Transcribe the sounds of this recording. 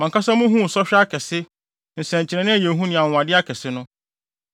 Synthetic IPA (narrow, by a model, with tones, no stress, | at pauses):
mã˨ŋkʰa˦sa˦mʊ̃˦ɦũ˦n̩˨sɔ˦ɕᶣa˦kʰɛ˨sɪ˦ | n̩˨sɛ̃˨ɲ˨t͡ɕʰɪ˨ɾɛ̃˨nɪ̃˦˨je˨ɦũ˦nɪ̃˨a˨wʊ̃˨a˨dɪ˦a˦kʰɛ˨sɪ˦nʊ̃˦